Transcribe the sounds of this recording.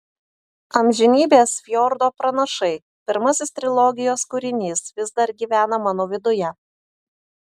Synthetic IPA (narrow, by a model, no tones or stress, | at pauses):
ɐmʲʒʲɪnʲiːbʲeːsfʲjɔɾd̪oːpɾɐnɐʃɐɪ | pʲɪɾmɐsʲɪst̪ʲɾʲɪlˠɔɡʲɪjoːskʊɾʲɪnʲiːsʋʲɪzd̪ɐɾɡʲiːʋʲæːnɐmɑːnoːʋʲɪd̪ʊjɛ